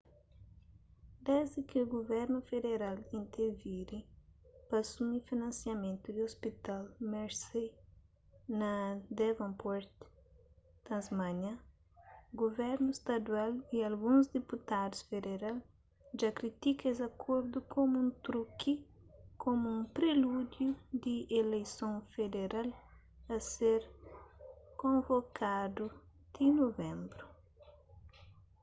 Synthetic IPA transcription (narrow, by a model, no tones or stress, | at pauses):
d̪ɛzd̪ɪkɪuɡovɛɾnufed̪eɾalĩnt̪eɾviɾipɐsumifinɐ̃nsjɐmẽnt̪ud̪ɪospit̪almeɾsej | nɐd̪evɐ̃mpɔɾt̪ | t̪ɐ̃nzmãɲɐ | ɡovɛɾnʊst̪ɐd̪waliɐlɡũzd̪eput̪ad̪usfed̪eɾal | ʒakɾit̪ikezɐkʰoɾd̪ukʰomuũnt̪ɾuki | kʰomuũpɾelud̪jud̪iʔelejsõfed̪eɾal | ɐseɾ | kõvokʰad̪u | d̪̥inovẽmbɾu